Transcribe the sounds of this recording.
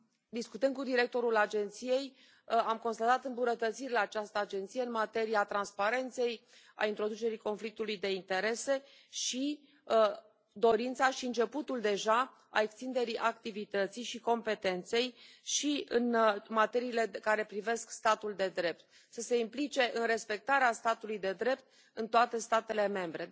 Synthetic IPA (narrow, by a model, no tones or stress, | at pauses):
d̪iskut̪ən̚kud̪iɾe̞k̚t̪o̞ɾulad͡ʒe̞nt̪sije̞j | amko̞nst̪at̪at̪ɨmbunət̪ət̪siɾeat͡ʃast̪əad͡ʒe̞nt̪sijeɨnmat̪e̞ɾiat̪ɾanspaɾe̞nt̪se̞j | a̰int̪ɾo̞d̪ut͡ʃe̞ɾiko̞nflik̚t̪ulujd̪e̞int̪e̞ɾe̞se̞ | ʃi | d̪o̞ɾint̪saʃiɨnt͡ʃe̞put̪uld̪e̞ʒa | a̰ekst̪ind̪e̞ɾiʔak̚t̪ivit̪ət̪sijʃiko̞mpe̞t̪e̞nt̪se̞j | ʃiɨnmat̪e̞ɾiːle̞kaɾe̞pɾive̞skst̪at̪uld̪e̞d̪ɾe̞p̚t̪̚ | səse̞implit͡ʃe̞ʔɨnre̞spe̞k̚t̪aɾeast̪at̪ulujd̪e̞d̪ɾe̞pt̪̚ | ɨnt̪oat̪e̞st̪at̪e̞le̞me̞mbɾe̞